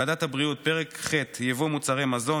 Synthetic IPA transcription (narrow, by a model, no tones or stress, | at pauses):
adathabʁiut̚peʁekχetjevomut͡saʁemazo̞